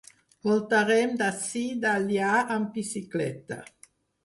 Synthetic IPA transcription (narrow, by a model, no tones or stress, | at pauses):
vɔlt̪aɾɛmd̪asid̪aljaampisiklɛ̰t̪a̰